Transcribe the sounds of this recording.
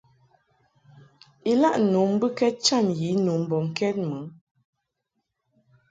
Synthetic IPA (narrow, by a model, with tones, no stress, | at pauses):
i˨la˦˨ʔnu˨˦m˦bɨ˦kɛ˦t̚t͡ʃa˦˨nji˨˦nu˨˦m˦bɔ˨ŋ̩˨kɛ˦t̚mə˨˦